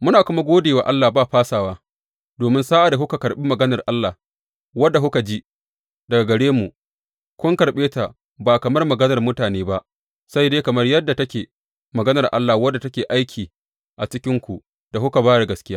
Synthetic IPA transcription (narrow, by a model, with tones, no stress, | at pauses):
mʊ˦naː˨kʊ˦ma˦ɡʷoː˦deː˨waː˨ʔa˦lːaː˨baː˦ɸaː˦saː˨waː˦ | doː˨mɪ˦nsaː˦ʔa˨da˨hʊ˦ka˨kɐ˨rɓiː˦mɐ˨ɡɐ˦nɐ˨rʔa˦lːaː˨ | wɐ˦dːa˨kʊ˦ka˨d͡ʒi˦ | dɐ˨ɡa˨ɡɐ˨ɽeː˦mu˨ | kʷʊ˦ŋkɐ˨rɓeː˦ta˨ | baː˨kɐ˨mɐ˦rmɐ˨ɡɐ˦nɐ˨rmʊ˦taː˨neː˦ba˦ʔ | sa˦jdeː˦kɐ˨mɐ˦rjɐ˦dːa˨tɐ˦kʲeː˨ | mɐ˨ɡɐ˦nɐ˨rʔa̰˦lːa˨wɐ˦dːa˨tɐ˦kʲeː˨ʔa˦jkʲʰiː˨ | ʔa˨t͡ʃɪ˦kʲɪ˦ŋkʷu˨ | d̥a˨hʊ˦ka˨baː˦ɽa˨ɡɐ˨skʲɪ˦jaː˦